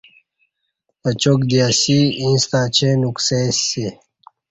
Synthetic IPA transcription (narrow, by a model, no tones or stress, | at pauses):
ɐt͡ɕokd̪iasiĩːst̪aːt͡ɕʰenuksese